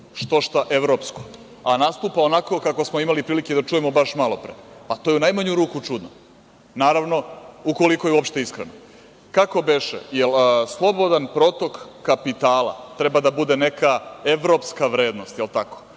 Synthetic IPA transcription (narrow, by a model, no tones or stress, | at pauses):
ʃt̪oʃt̪aʔeʋɾopsko | anast̪uːpao̞nako̞kakosmoimalipɾiːliked̪at͡ʃujemo̞baʃmalˠo̞pɾḛpat̪ojeunajmaɲuɾuːkut͡ʂud̪no | naːɾaʋno̞uko̞liko̞jeuopʃt̪e̞iskɾḛno | kako̞beʃḛjelslˠo̞bo̞d̪anpɾo̞t̪o̞kːapit̪aːlˠa̰t̪ɾe̞bad̪abud̪e̞ne̞kae̞ʋɾo̞pskaʋɾeːd̪no̞st̪jelˠt̪ako̥